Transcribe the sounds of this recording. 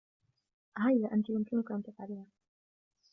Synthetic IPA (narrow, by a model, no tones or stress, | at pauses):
hajlaʔant̪ijʊmkɪnʊkaʔant̪afʕaliːha